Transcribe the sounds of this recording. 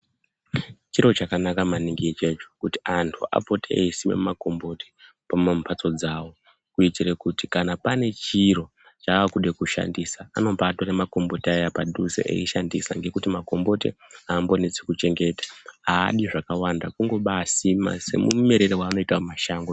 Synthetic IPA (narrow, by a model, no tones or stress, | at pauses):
t͡ʃiɾo̞t͡ʃakanakamaniŋɡit͡ʃe̞t͡ʃo̥kuti̥antʰuʔa̰po̞tʰeeisimḛmumako̞mbo̞te̥ | pamompʰat͡so̞d͡zaːwo̞ | kuitiɾekutikanapane̞t͡ʃiro̞ | t͡ʃaakuɗe̞kuʃa̰ndisaano̞mpaːto̞ɾemako̞mbo̞tiajapaɗuzḛʔḛiʃandisa̰ŋɡe̞kutimako̞mbo̞tḛaːmbo̞net͡sekut͡ʃe̞ŋɡe̞tḁa̰ːɗiʐakawandakuŋɡo̞ɓasima̰se̞̰mṵme̞ɾe̞ɾewaːno̞itamaʃaːŋɡo